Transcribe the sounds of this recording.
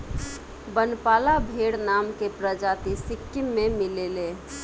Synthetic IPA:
bənpaːlabʱeɽnamkepɾəd͡ʒat̪isɪkːimːemilele

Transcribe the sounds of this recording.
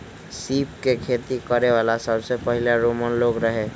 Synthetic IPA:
sipkekʰet̪ikəɾeʋalasəbsepəɦilaɾomənloɡɾəɦe

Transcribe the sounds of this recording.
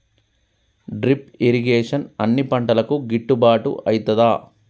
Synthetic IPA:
ɖɾipiɾiɡeːʂɐnɐnːipɐɳʈɐlɐkuɡiʈːubaːʈṵʔɐjt̪ɐd̪aː

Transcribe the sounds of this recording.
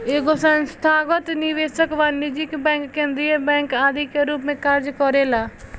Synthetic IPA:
eːɡosənst̪ʰaːɡət̪nɪʋeːʃəkʋaːnːid͡ʒɪkbɛ̃ːŋkːẽːnd̪ɾijəbɛ̃ːŋkaːd̪ikeɾuːpmẽkɐɾd͡ʒkɔɾeːlaː

